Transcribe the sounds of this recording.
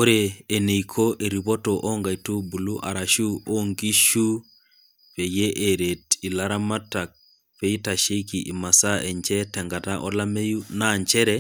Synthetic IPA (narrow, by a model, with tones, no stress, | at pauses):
o˦ɾeː˨ne˨ikʰo˦ʔe˨ɾi˨βo˦to˨ʔo˦ŋɡa˨i˨tu˦bu˨lu˦ʔa˨ɾa˨ʃu˦o˦ŋɡi˦ʃu˦ | pe˨je˦ʔe˨ɾe˨ti˨la˦ɾa˦ma˦ta˨k̚ | pe˦i˦ta˨ʃe˦ki˨ʔi˨ma˨sa˦ɛ˨ɲt͡ʃɛ˦tɛ˨ŋɡa˨ta˦ʔɔ˦la˦me˦ju˦na˦˨ɲt͡ʃɛ˦ɾɛ˦